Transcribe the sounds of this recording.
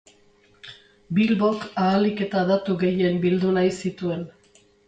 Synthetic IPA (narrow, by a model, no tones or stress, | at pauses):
bilβo̞kaːlike̞t̪aðat̪uɣe̞je̞mbild̪unajsit̪ue̞n